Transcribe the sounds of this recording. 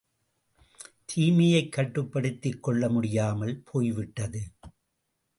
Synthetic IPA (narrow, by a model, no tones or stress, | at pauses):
t̪ʰiːmɐjɐɪkːɐʈːɯpːɐɽɯt̪ːɪkːɔɭːɐmʊɽɪjaːmɐlpʰoːjʋɪʈːɐðɯ